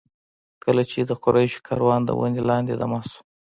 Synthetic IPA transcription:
kəlat͡ʃed̪əqʊɾajʃkʰɑɾwɑnd̪ə̰wʔa̰nelɑnd̪ed̪amɑsu̥

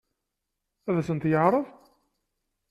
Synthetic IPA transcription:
æðæsənt̪jəʕɾˤəv

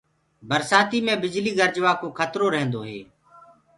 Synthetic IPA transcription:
bʱəɾsaːt̪iːmẽːbɪd͡ʒliːɡəɾd͡ʒʋaːkoːkʰət̪ɾoːɾəɦə̃nd̪oːɦḛː

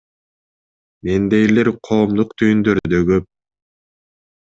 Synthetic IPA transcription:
mend̪e̞jleɾqʰo̞ːmd̪uqt̪ʰyjynd̪øɾd̪øɡøp̚

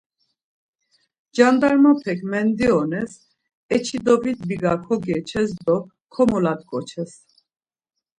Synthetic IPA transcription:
d͡ʒand̪aɾmapʰɛkʰmɛnd̪iɔnɛs | ɛt͡ʃʰid̪ɔvit̪biɡakʰɔɡɛt͡ʃʰɛs̬d̪ɔ | kʰɔmɔlat̪kʼɔt͡ʃʰɛs

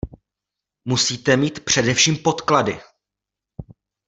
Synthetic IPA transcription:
musiːt̪ɛmiːt̪pr̝̥ɛdɛfʃiːmpo̞t̪kladɪ

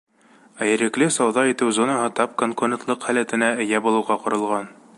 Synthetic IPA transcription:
æjɘ̆ɾɘ̆klɘsɑwðɑit̪ɘwzonɑɦɤt̪ɑp̚koŋkuɾʲent̪lˠɤqhælæt̪ɘ̆næɘ̆jæbulˠɤ̆wʁɑqŏɾɤ̆lˠʁɑn

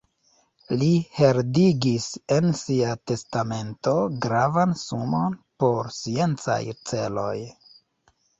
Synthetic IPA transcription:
lihe̞ɾdiɡise̞nsiate̞stame̞nto̞ɡɾavansumo̞npo̞ɾsie̞nt͡sa̰jt͡se̞lo̞̰j

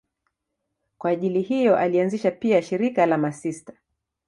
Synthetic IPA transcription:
kwaːʄilihijɔʔalianziʃapiaʃiɾikalamasistḁ

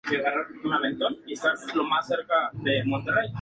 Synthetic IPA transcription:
eɣaɾaunalent̪onkisaslomaseɾkaðemont̪erej

